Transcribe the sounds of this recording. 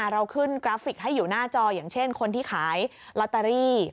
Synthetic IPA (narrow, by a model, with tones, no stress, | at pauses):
ɾa˧wkʰɯ˥˩nkɾaː˦˥fi˨˩k̚ɦa˥˩jːuː˨˩naː˥˩t͡ɕɔː˧jaː˨˩ŋt͡ɕʰe˥˩nkʰo˧nt̪ʰiː˥˩kʰaː˩˦j | la˦˥t̪ːa˧ɾiː˥˩